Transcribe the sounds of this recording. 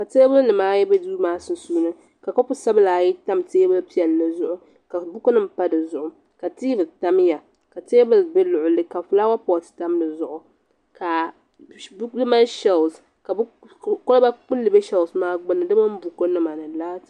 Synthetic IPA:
ka˨te˦bɨ˦nɨ˨maː˦jɛ˦be˦duː˦maː˦sɨ˦n˦suː˦nɨ˦ | ka˨kɔ˦pʊ˦sa˦bɨ˦laː˨ji˦ta˦mteː˦bɨ˦pi˦ɛ˨lːɨ˨zʊ˨ʔʊ˦ | ka˨bʊ˦ko˦nɨ˦m̩˨pa˦dɨ˨zʊ˨ʔʊ˨ | ka˨tiː˦bɨ˨ta˦mja˨ | ka˨teː˦bɨ˦bɛ˦lʊ˨ʔʊ˨lɨ˦ka˨fʊ˨la˦wa˦pɔ˨tɨ̥˨ta˦mdɨ˨zʊ˨ʔʊ˨ | ka˨ | bdɨ˦ma˦ʃɛ˦ls | ka˨b | kʊ˦lɨ˦ba˦k͡pʊ˦llɨ˨be˦ʃɛ˦lsmaː˦ɡ͡bʊ˦nɨ˨dɨ˦ma˦m̩˦bʊ˨ko˦nɨ˦ma˨nɨ˨laː˦t

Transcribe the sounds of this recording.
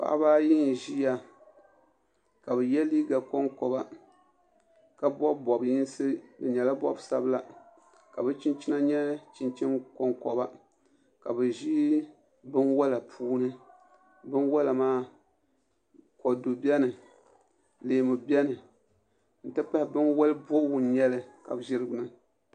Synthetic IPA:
pa̰˨ʔa̰˦baː˦ji˦n˨ʒi˦ja˨ | ka˨bɛ˨jɛ˦liː˦ɡa˨kɔ˦ŋkɔ˨ba˦ | ka˦bɔ˦bbɔ˨bji˦n˦sɨ˦dɨ˨ɲɛ˨la˦bɔ̰˦bsa˦bla˨ | ka˨bɛ˦t͡ʃi˦nt͡ʃi˦na˦ɲɛ˦t͡ʃi˨nt͡ʃi˦nkɔ˦ŋkɔ˨ba˦ | ka˨bɛ˨ʒi˦ | bɨ˦nwɔ˦la˨pʰuː˦nɨ˦ | bɨ˦nwɔ˦la˨maː˦ | kɔ˨do˨bi˦ɛ˦nɨ˨ | leː˨mɨ˨bɛ˦nɨ˨ | n̩˨tɨ˦pa˦hɪ˨bɨ˦nwɔ˦lɨ˦bɔ˦wʊ˨n˦ɲɛ˦lɨ˨ka̰˨bʒɪ˦ɾɨ˦ɡnɨ˦

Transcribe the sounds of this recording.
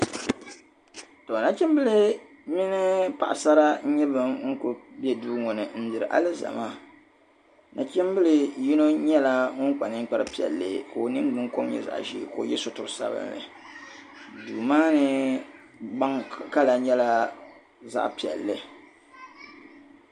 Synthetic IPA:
to˨na˦t͡ʃɛ˦m˦bɨ˦lɨ˦ | mi˦nɨ˦pa˨ʔsa˦ɾa˦ɲɛ˦bɨ˨mŋ̩˦kʊ˨bɛ˦duː˦ŋɔ˨nɨ˨n̩˦dɨ˨ɾɨ˨ʔa̰˦lɨ˦za̰˨maː˦˨ | nʔa˨t͡ʃi˦m˦bɨ˦lɨ˦ji˦no˦ɲɛ˦la˦ŋɔ˦ŋk͡pa˨nɨ˦ŋ̩˦k͡pɛ˦ɾɨ˦pi˨ɛ̰˨lːɨ̰˨ko˨o˨nɨ˦ŋɡ͡bɨ˦ŋ˦ko˦m˦ɲɛ̰˨za̰˨ʔʒḭ˦˨koː˨jɛ˦so˨tʊ˨ɾɨ˨sa̰˦bɨ̰˦nlɨ̰˨ | duː˨maː˦nɨ˦ | ɡ͡ba˦ŋka˦la˨ɲɛ˦la˦ | za̰˦ʔpi˨ɛ̰˨lːɨ˨

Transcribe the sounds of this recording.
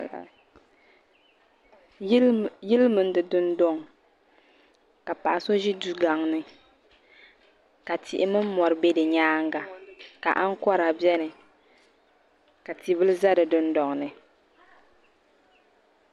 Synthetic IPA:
jɪ˦lmɨ˨n˦dɨ˨dʊ˦ndɔ˦ŋ˨ | ka˨pa̰˨a˨so˦ʒi˦du˦ɡa˨ŋnɨ˦ | ka˨ti˨ʔɪ˦mɨ˦m̩˦mɔ˨ɾɨ˨be˦dɨ˨ɲaː˦ŋɡa˨ka̰˨ʔa˦ŋ˦kɔ˦ɾa˨bjɛ˦nɨ˨ | ka˨ti˨bɨ˦lɨ˦za˦dɨ˨dʊ˦ndɔ˨ŋ˨nɨ˨

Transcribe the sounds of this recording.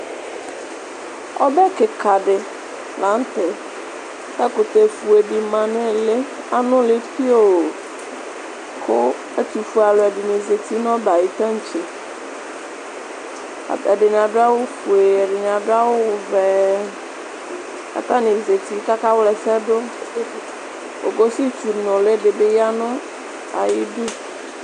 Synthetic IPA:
ɔ̰˦bɛ˦kɪ˨ka˨dɪ˨ | la˨˦n̩˦t̪ɪ˨ | ɛ˦kʊ˨t̪e˨fu˨e˨dɪ˨mã˨nɪ̃˦lɪ˦ | a˦nʊ̃˦lɪ˦pi˦o˦˨ | kʰʊ˦ | e˦t̪u˨fu˨a˨lʊ˨ɛ˨dɪ˨nɪ̃˨ze˨t̪i˦nɔ̃˦ba˨ji˨t̪ã˦n̩˨t͡ʃe˨ | a̰˨ɛ˨ɖɪ˨n˨a˨ɖʊ˦a˦wo˦fu˨e˨ɛ˨ɖɪ˨n˨a˨do˦a˦wo˦wvɛ˨ | a̰˨t̪a˦nĩ˨ze˨t̪i˨ka˦ka˦wlɛ˨sɛ˦do˦ | o̰˨ɡo˦si˦tu˨nɔ̃˨le˦ɖe˨be˦ja˦nʊ̃˦ | a̰˨jɪ˦du˦

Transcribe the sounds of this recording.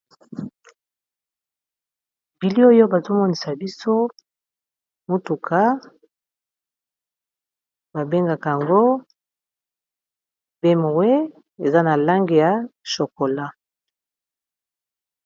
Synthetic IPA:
bi˨li˦o˦jo˦ba˨to˦mɔ˦ni˨sa˨bi˦so˦ | mo˦tu˨kʰa˦ | ba˨be˦ŋɡa˨ka˨ja˨ŋɡo˦ | be˦mo˨we˦ | e˨za˦na˨la˦ŋɡe˨ja˨ʃo˨ko˨la˦

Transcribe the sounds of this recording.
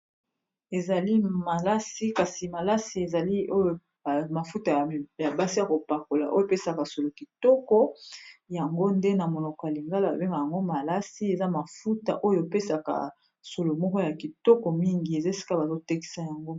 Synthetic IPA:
e˨za˨li˦ma˨la˦si˦ka˨si˨ma˨la˦si˨e˨za˨li˦o˦jo˨ | ma˨fu˦ta˨ja˨ba˦si˦ja˨ko˨pa˨ko˨la̰˨ʔo˦jo˦˨pe˦sa˨ka˨so˨lo˨ki˨tɔ˦kɔ˦ja˨ŋɡo˦nde˦na˨mo˨nɔ˨kɔ˨ja˨li˨ŋɡa˦la˦ba˨be˦ŋa˨ja˨ŋɡo˦ma˨la˦si˦e˨za˦ma˨fu˦ta̰˨ʔo˦jo˨pe˦sa˨ka̰˨ | so˨lo˨mɔ˦kɔ˦ja˨ki˨tɔ˦kɔ˨mi˦ŋɡi˨e˨za˦e˨si̥˦ka˦ba˨zo˦te˦ki̥˦sa˦ja˨ŋɡo˦

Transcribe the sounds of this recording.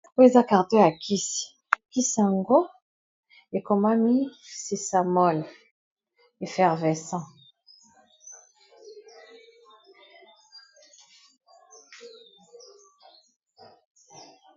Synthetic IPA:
o˦jo˦e˨za˦ka˨ʁt̪ɔ˦ja˨kʰi˦s | ki˦sa˨ŋɡo˦ | e˨ko˨ma˦mi˦se˨sa˨mɔ˦˨l | e˨fɛ˨ʁvɛ˨sɑ̃˦

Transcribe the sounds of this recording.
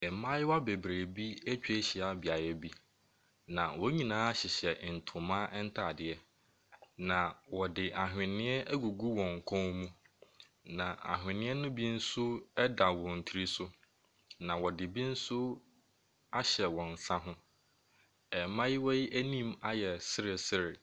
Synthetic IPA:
ɛ˨mã˦jɪ˦wa˦be˨bɾeː˨bi˦æ˦t͡ɕᶣe˦ɕɪ˨a˨bi˨a˨jɛ˦bi˦ | nã˨wɔ˨˦ɲĩ˨nãː˦a˦ɕɪ˨ɕɛ˨n̩˨tʰʊ˨mã˦ʔɛ˦n̩˦tʰa˦˨dɪ˨˦ɛ˦ | nã˨wɔ˨dɪ˨ʔa˨ɦᶣɪ̃˨nɪ̃˦ɛ˦ʔæ˦ɡu˨ɡu˦wɔ̃˨ŋ̩˨kʰɔ̃˦ŋmũ˦ | nã˨ʔa̰˨ɦᶣɪ̃˨nɪ̃˦ɛ˦nʊ̃˦bi˦n̩˦sʊ˦ɛ˦da˨wɔ̃˨n̩˨tʰi˨˦ɾi˦sʊ˦ | nã˨wɔ˨dɪ˨bi˦n̩˦sʊ˦ | a˦ɕɛ˨wɔ̃˨n̩˨sã˦ɦʊ̃˦ | ɛ˨mã˦ji˦wɔ˦ji˦ʔæ˦nĩ˦ma˦jɛ˨sɪ˦ɾɪ˨sɪ˦ɾɪ˨

